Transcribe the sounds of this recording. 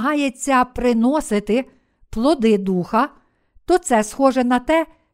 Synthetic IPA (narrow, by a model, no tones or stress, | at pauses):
ɦɑjet͡sʲːɐpɾɪnɔsɪt̪ɪ | plˠɔd̪ɪd̪uxɐ | t̪ɔt̪sɛsxɔʒɛnɐt̪ɛ